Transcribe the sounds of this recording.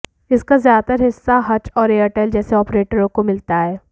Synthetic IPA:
ɪskazjaːd̪t̪əɾɦɪsːaɦɐt͡ʃɔːɾeːəʈɛːld͡ʒɛːseɔːpɾeːʈəɾõkomɪlt̪aɦɛː

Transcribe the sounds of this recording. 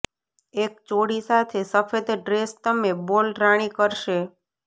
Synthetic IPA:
ek̚t͡ʃoɽisat̪ʰesəfed̪ɖɾest̪əmebolɾaɽ̃ikəɾʃe

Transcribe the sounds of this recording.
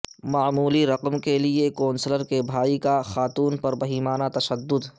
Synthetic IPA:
maːmuːliɾɐqəmkeliekɔ̃ːnsələɾkebʱaːikaxaːt̪uːnpɐɾbɐɦiːmaːnat̪ɐʃəd̪ːʊd̪

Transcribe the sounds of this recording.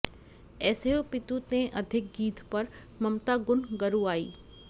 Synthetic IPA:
ɛːseopɪt̪ut̪ẽʔɐd̪ʱɪk̚ɡiːt̪pɐɾ | mɐmt̪aɡʊnɡɐɾũaːḭː

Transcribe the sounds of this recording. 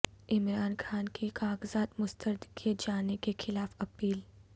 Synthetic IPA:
ɪmɾaːnxaːnkikaːɡzaːt̪mʊst̪əɾd̪kied͡ʒaːnekexɪlaːfɐpiːl

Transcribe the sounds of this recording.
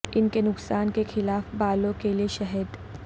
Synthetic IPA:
ɪnkenʊksaːnkexɪlaːfbaːlõkelieʃɐɦəd̪

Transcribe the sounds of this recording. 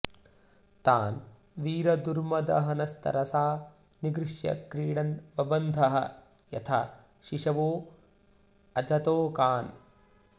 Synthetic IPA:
t̪aːn | ʋiːɾɐd̪uɾmɐd̪ɐ̰ɦɐnɐst̪ʰɐ̰ɾɐsaː | niɡɾɪʃjɐ̰kɾiːɽɐnbɐbɐnd̪ʱɐɦɐ | jɐt̪ʰa | ʃiʂɐʋoː | ɐd͡ʒɐt̪oːkaːn

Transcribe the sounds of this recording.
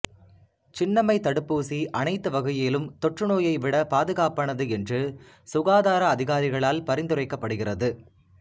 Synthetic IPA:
t͡ʃɪnːɐmɐɪt̪ɐɽɯpːuːsiʔɐnɐɪt̪ːɯʋɐɣɐjɪlɯmt̪ɔʈrɯnoːjɐɪʋɪɽɐpaːðɯɣaːpɐɳɐðɯɛndrɯ | sʊɣaːðaːɾɐːðɪɣaːɾɪɣɐɭaːlpɐɾɪnd̪ɯrɐɪkːɐpːɐɽɯɣɪrɐðɯ

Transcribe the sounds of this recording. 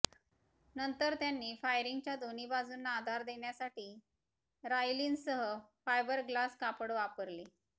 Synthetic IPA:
nənt̪əɾt̪janːiːfajɾiŋɡt͡ɕjad̪on̤iːbad͡zuːnːaːd̪ʱaɾd̪eɳjasaʈiː | ɾajliːnsəɦəfajbəɾɡlaskapəɽʋapəɾle

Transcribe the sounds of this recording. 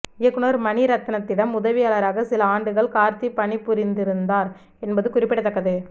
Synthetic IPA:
ɪjɐkːɯnɐɾmɐɳiɾɐt̪ːɐnɐt̪ːɪɽɐmʊðɐʋɪjaːlɐɾaːɣɐsɪlɐaːɳɖɯɣɐɭkaːɾt̪ipːɐɳipːʊɾɪnd̪ɪɾɯnd̪aːɾ | ɛnbɐðɯkʊrɪpːɪɽɐt̪ːɐkːɐðɯ

